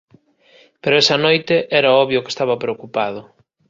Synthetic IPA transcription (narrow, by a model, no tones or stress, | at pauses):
peɾʊɛsɐnojt̪eʔɛɾɐɔβjʊke̥st̪aβɐpɾeokupaðʊ